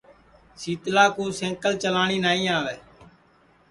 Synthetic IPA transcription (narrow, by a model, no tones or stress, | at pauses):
siːt̪laːkuːsẽːkəlt͡ʃəlaːɳiːnaːĩːaːʋɛː